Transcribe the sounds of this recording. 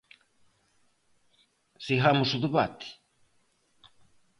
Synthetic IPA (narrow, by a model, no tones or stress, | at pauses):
siɦamuʃuðuβat̪i̥